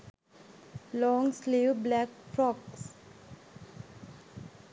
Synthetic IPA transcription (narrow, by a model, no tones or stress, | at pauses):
lɔ̃ːŋsleʋblækfɾɔks